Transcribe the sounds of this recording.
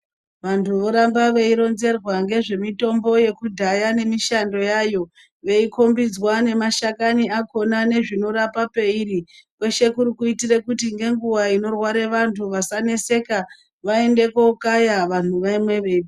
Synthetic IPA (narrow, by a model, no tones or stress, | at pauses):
ʋantʰuʋo̞ɾambaʋe̞iɾo̞nze̞rwaŋɡe̞ʐe̞mito̞mbo̞je̞kudʱajane̞miʃando̞jajo̞ | ʋe̞iko̞mbid͡zwane̞maʃakaniako̞nane̞ʐino̞ɾapape̞iɾikwe̞ʃe̞kuɾikuitire̞kutiŋɡe̞ŋɡuwaino̞rwaɾe̞ʋantʰuʋasane̞se̞ka | ʋae̞nde̞kokajaʋan̤uʋaimwe̞ʋe̞i